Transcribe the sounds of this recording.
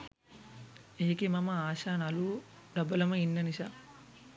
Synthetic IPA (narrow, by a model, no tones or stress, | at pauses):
eːkemɐmɐaːʃaːnɐlu | ɖɐbɐlɐmɐinːɐniʃa